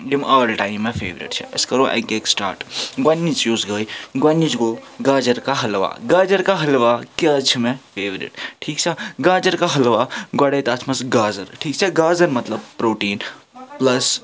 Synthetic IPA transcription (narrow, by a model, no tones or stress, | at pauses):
jimaːlʈaːimːefʰeːʋɾḭʈt͡ʃʰɛ̰ɐskɐɾoʔa̰jɡeksʈa̰ːɾʈɡɐnːit͡ʃjuːzɡəjɡɐnːit͡ʃɡoɡaːd͡ʒɐɾkaɦɐlʋa̰ɡaːd͡ʒɐɾkaɦɐlʋakaːt͡ʃʰimẽfʰeːʋɾḭʈʈʰiːk̚t͡ʃʰeɡaːd͡ʒɐɾkaɦɐlʋaɡɐɽejt̪aːt͡ʃʰmɐsɡaːzɐɾʈʰiːkt͡ʃʰeɡaːzɐɾmɐt̪lɐbpɾoːʈiːnplɐs